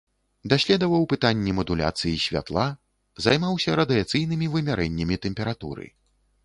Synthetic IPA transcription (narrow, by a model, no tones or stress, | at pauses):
d̪asʲlʲɛd̪ɐvɐwpɨt̪anʲːɛmɐd̪ulʲa̰t̪sɨjisʲvʲa̰t̪lˠa | zajmawsʲɐɾɐd̪ɨat̪sɨjnɨmʲivɨmʲaɾɛnʲːɐmʲit̪ɛmpʲɛɾat̪ṵɾɨ̰